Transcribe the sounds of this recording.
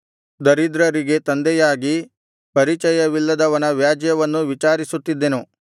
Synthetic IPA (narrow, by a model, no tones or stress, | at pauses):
d̪ɐɾid̪ɾɐɾiɡe̞t̪ɐnd̪ɛjaːɡi | pɐɾit͡ʃɐjɐʋilːɐd̪ɐʋɐnɐʋjaːd͡ʒɐjɐʋɐnːuʋit͡ʃaːɾisut̪ːid̪ːenu